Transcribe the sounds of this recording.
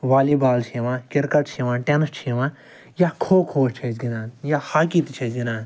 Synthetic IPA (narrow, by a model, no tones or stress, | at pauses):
ʋaːliːbaːlt͡ʃʰiːʋãːkʲɪɾkɐʈ̚t͡ʃʰiʋãːʈenst͡ʃʰiːʋãː | jaːkʰoːkʰoːt͡ʃʰɐd͡ʒɡʲinaːnjahaːkit̪t͡ʃʰɐd͡ʒɡinaːn